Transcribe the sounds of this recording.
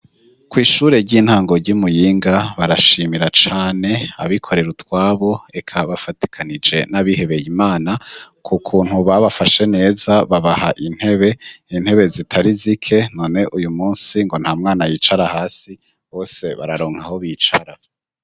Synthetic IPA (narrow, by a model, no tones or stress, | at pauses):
kwiːʃuːɾe̞ɟiːn̥haːŋɡo̞ɾɟumujiːŋɡaβaɾaʃiːmiɾat͡ʃaːne̞a̰βikʰo̞ɾe̞ɾutwaːβo̞e̞kʰaβafati̥kʰanid͡ʒe̞naβihe̞βe̞jimaːnakʰukʰuːn̥huβaβafaʃe̞ne̞ːzaβaβahaʔin̥he̞βe̞in̥he̞βe̞zitʰaɾizikʰe̞no̞ne̞ʔujumuːnsiŋɡo̞n̥haːmŋaːnajiːt͡ʃaɾahaːsi | ho̞ːse̞βa̰ɾaɾo̞ːŋ̥haho̞βit͡ʃaɾa